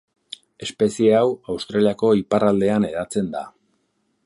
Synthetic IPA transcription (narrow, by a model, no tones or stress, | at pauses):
e̞spe̞sieawawst̪ɾaliako̞iparald̪e̞ane̞ðat͡se̞nd̪a̰